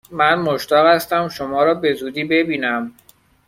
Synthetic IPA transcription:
mænmoʃt̪ɒːɣhæst̪æmʃomɒːɾɒːbe̞zuːd̪iːbe̞biːnæm

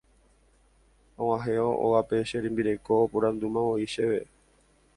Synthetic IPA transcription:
õwãɦeoʔo̰ɣape̞ʃeɾĩmbiɾe̞ko̞ːpuɾãnd̪umãʋoiʃeʋe

